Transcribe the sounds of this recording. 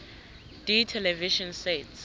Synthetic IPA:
d̥itʰɛlɛviʃɔ̃nsets

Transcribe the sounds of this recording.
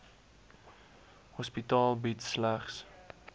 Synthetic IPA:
hɔspitɑːlˠbitsːlæχs

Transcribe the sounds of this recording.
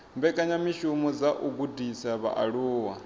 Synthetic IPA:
mbɛkʼaɲamiʃumɔd͡zaʔuɡudisaβa̰ʔaɺuːwa̰

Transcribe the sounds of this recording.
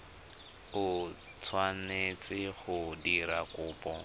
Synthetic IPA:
ʊ | t͡sʰwanet͡sɪχʊdiɾakʊːpʼɔ

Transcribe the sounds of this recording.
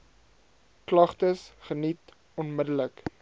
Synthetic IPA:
klɐχtəsχənit | ɔnmədələk

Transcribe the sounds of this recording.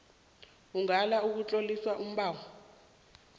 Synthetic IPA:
uŋalauk̬ut͡ɬʼoliswaʔum̩ɓaːŋɔ

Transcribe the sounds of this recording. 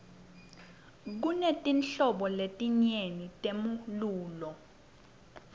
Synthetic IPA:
k̬unetʼinɬɔɓɔletʼiɲenitʼemuluːlɔ

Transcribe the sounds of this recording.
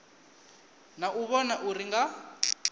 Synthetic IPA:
naʔuβɔnaʔuriŋɡa

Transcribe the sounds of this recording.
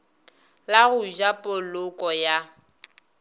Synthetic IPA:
laɣʊʒapʼolʊkʼɔja

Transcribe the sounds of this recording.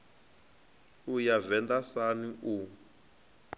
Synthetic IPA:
ujavɛnd̪asaniʔu

